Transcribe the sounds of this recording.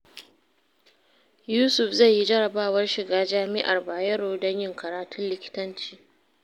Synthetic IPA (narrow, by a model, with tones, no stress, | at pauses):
juː˦sʊ˨ɸza˦˨ji˦d͡ʒɐ˦ɽɐ˨baː˦wɐ˦rʃɪ˨ɡaː˦d͡ʒaː˦mɪ˦ʔa˨rbaː˨jɐ˦ɽoː˨dɐ˦ɲjɪ˦ŋkɐ˨ɾaː˨tʊ˦nlɪ˨kʲɪ̥˦tɐ˦nt͡ʃi̥ː˨